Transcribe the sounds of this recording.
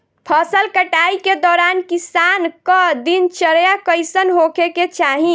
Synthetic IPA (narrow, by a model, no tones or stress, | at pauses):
pʰəsəlkəʈaiked̪ɔːɾankisankəd̪int͡ʃəɾjakəɪsənɦokeket͡ʃaɦĩ